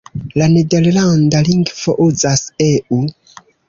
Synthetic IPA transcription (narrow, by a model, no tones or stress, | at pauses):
lanedeɾlandaliŋɡv̥oʔuzaseʔu